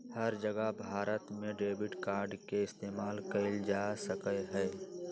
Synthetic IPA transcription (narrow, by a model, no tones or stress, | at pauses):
həɾd͡ʒəɡəbʱaːɾət̪mẽɖeːbɪɖkaːɾɖkeɪst̪eːmaːlkəɪld͡ʒasəkəɦɛː